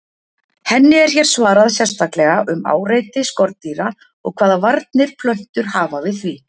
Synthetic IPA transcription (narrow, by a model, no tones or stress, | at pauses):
hɛnːɪɛɾ̥çɛɾ̥svaːɾaðsjɛ̥st̪aklɛɣaʔʏma̰ːwreːjt̪ɪskɔɾt̪t̪ːiːɾa | ɔ̰ɣkʰvaːðavaɾt̪̚nɪɾ̥pʰlœht̪ʏɾ̥haːvavɪθvi